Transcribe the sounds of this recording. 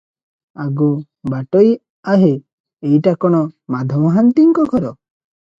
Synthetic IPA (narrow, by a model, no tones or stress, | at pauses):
aɡu | baʈɔj | aɦe | ejʈakɔɽ̃ɔmad̪ʱɔmɦant̪iŋkɔɡʰʱɔɾɔ